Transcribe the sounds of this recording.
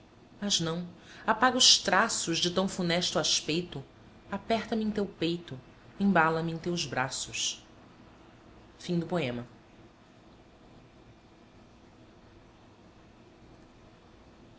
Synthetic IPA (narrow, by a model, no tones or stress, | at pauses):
mɐznɐ̃w̃apaɡʊʃt̪ɾasʊzd͡ʒɪt̪ɐ̃w̃funɛʃt̪ʊaʃpejt̪ʊ | apɛχt̪ɐmɪẽt̪ewpejt̪ʊ | ẽbalɐmɪẽt̪ewzbɾasʊs | fĩd̪ʊpoẽmɐ